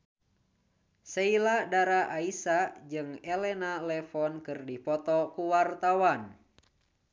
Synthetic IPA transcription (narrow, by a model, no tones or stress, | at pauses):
seiladaɾaʔaisad͡ʒɨŋɛlɛnalɛfɔnkɨrdipɔt̪ɔkuwart̪awan